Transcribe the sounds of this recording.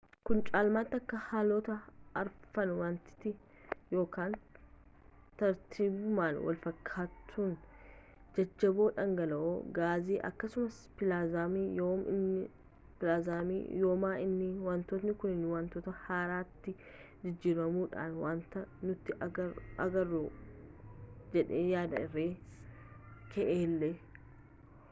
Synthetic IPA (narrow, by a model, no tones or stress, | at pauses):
kʊnt͡ʃʼaːlmaːt̪ːɪɐkːɐhaːloːt̪ɐɐɾfɐnwaːnt̪ɪ̥t̪ːɪ | jo̞ːkaːn | t̪ɐɾt̪ʰiːbʊmaːnwɐ̰lfɐkʰːaːt̪ʰːuːn | d͡ʒɛd͡ʒːɐboːᶑɐŋɡɐlɐʔoːɡaːziːʔɐ̰kːɐsʊmɐs | pɪlaːzaːmiːjoːmɪ̰nːɪ | pɪlaːzaːmḭːjoːmaːʔɪnːɪwɐnt̪ɔt̪nɪkʊnɪnːɪwɐnt̪ɔːt̪ɐhaːɾaːt̪ːɪ | d͡ʒɪd͡ʒːiːɾɐmuːᶑa̰ːnwaːnt̪ɐnʊt̪ːɪʔɐɡɐrːoː | d͡ʒɛᶑeːjaːd̪ɐɪrːeː | kɛʔeːlːeː